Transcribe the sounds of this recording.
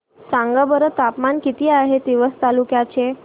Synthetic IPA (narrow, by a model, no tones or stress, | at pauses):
sãŋɡabəɾət̪apmankit̪iːaɦet̪iʋəst̪alukjat͡ɕe